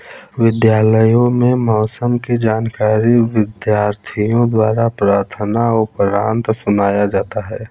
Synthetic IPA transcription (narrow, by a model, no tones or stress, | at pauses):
ʋɪd̪jaːləjõmẽmɔːsəmked͡ʒaːnkaːɾiʋɪd̪jaːɾt̪ʰijõd̪waːɾapɾaːɾt̪ʰənaʊpɾaːnt̪sʊnaːjad͡ʒaːt̪aɦɛː